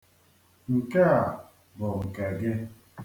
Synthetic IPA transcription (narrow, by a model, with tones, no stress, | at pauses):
ŋ̩˨ka˦a˨ | bɔ˨ŋ̩˨ka˨ɡe˦